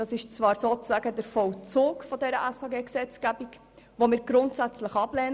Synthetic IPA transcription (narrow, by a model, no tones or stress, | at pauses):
ɑsɪʃt͡svɑːɾsoːt͡sz̥æɡədəɾfɔwt͡suːkfɔdɛɾəʔæsɑːɡeːksɛt͡sɡ̥æbik | ʋomɪːɾɡɾʊntsæt͡sləχɑb̥lɛːn